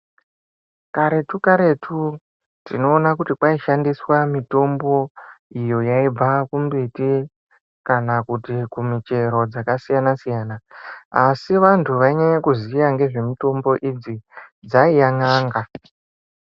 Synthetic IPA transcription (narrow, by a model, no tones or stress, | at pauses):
kaɾe̞tukaɾe̞tʰu | tino̞ːnakutipwaiʃandiswamito̞mbo̞ijo̞jaib͡vakumbiti | kanakutikumit͡ʃe̞ɾo̞d͡zakasijanasijaːnaasiʋantʰuʋaiɲaɲakuzijaŋɡe̞ʐe̞mito̞mbo̞ʔid͡zid͡zaijaŋaːŋɡa